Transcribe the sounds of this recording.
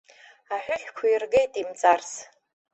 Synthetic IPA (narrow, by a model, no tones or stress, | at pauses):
aħʷᶣʊɬʲkʷʰʊjɪrɡejtʼimt͡sʼars